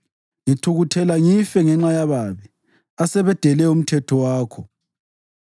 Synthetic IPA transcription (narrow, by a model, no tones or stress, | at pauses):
jitʰuɣutʰɛlaŋifɛŋɛŋ͡ǁajaβaβi | asɛβɛd̥ʱɛlɛum̩tʰɛtʰɔwaːkʰɔ